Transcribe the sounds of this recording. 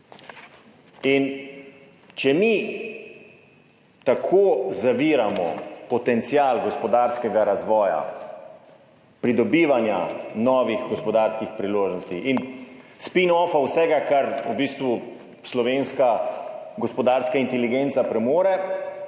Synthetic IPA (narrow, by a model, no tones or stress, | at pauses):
in | t͡ʃɛmi | t̪akʰoːzaʋiːɾamɔ̰pɔt̪ɛnt̪sijaːlɡɔspɔd̪aːɾskɛɡaɾazʋɔːja̰ | pɾid̪ɔbiːʋanjanɔːʋiɣɡɔspɔd̪aɾskixpɾiloːʒnɔst̪iʔinspinɔːfawsɛɡakaɾubiːst̪ʋu | slɔʋeːnskaɡɔspɔd̪aɾskaint̪ɛliɡent̪sapɾɛmoːɾɛ